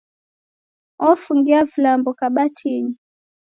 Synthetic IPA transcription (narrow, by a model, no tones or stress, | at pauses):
ɔfuŋɡiavilambɔkaɓatʰiɲi